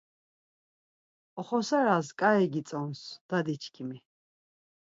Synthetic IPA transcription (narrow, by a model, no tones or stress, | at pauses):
ɔχɔsaɾaskʼaɛɡit͡s̪ʼɔnsd̪̥ad̪it͡ʃʰkʰimi